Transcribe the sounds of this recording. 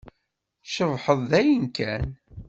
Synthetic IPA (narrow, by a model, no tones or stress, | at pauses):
ʃəvħəðˤðæjənkʰæn